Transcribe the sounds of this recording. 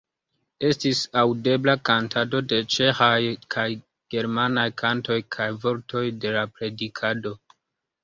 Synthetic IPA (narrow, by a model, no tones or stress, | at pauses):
e̞stisawde̞blakantʰado̞de̞t͡ʃe̞xajkʰaj | ɡ̥e̞ɾmanajkʰanto̞jkʰajvo̞ɾtʰo̞jde̞lapɾe̞dikʰado̞